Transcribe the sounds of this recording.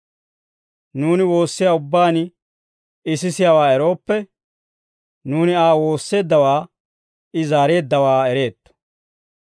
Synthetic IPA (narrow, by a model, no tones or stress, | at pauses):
nuːnɪwo̞ːsːɪjaːʊbːaːn | ɪsɪsɪjawaːɛɾo̞ːpːɛ | nuːnɪaːwo̞ːsːe̞ːd̪ːɐwaː | ɪzaːɾe̞ːd̪ːɐwaːɛɾe̞ːt̪ːɔ̥